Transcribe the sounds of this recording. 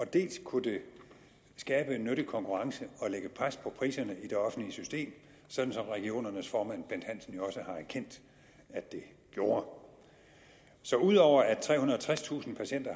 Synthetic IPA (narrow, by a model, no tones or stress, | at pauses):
ɒ̽d̥e̝̰ːlskʰud̥e̝ | sɡ̥ɛːb̥ənːøɾ̥ikʰɒ̽ŋkʰuʁɑ̈ŋsəɒ̽leɡ̥əpʰʁaspʰɒ̽pʰʁḭːsɐnəid̥e̝ɒ̽fn̩dliəsysd̥e̝̰ːm | sɒ̽d̥n̩sɒ̽mʁɛɡ̥io̝̰ːnɐnəsfɒːmæn̰b̥end̥hæn̰sn̩jo̝ɒ̽səhɑ̈æɐkʰen̰d̥ | æd̥e̝ | ɡ̥jo̝ːɐ | sɒ̽uð̞ˠɒʊ̰ɐæt͡sʰʁɛ̰ːhunɐɒt͡sʰʁast͡sʰṵːsn̩pʰæɕen̰d̥ɐ